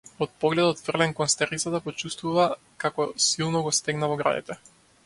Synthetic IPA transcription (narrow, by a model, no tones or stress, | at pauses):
ɔt̪̚pɔɡlɛd̪ɔt̪fr̩lɛŋkɔnst̪ɛɾit̪sat̪apɔt͡ʃust̪vuva | kakɔsilˠnɔɡɔst̪ɛɡnavɔɡɾa̰d̪ḭt̪ɛ